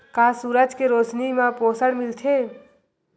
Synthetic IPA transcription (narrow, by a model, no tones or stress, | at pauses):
kasuɾəd͡ʒkeɾot͡ʃnimãposəɽmilt̪ʰe